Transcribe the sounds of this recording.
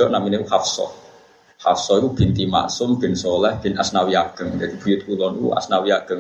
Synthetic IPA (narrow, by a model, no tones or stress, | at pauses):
ɔʔnaminekuhafsɔ̰ | hafsɔikub̥int̪ima̰ʔsʊmb̥ɪnsolɛhb̥ɪ̤nasnawiaʔɡ̥əŋd͡ʒad̪ib̥ujʊt̪̚kulɔnikṵa̰snawiaɡ̥əŋ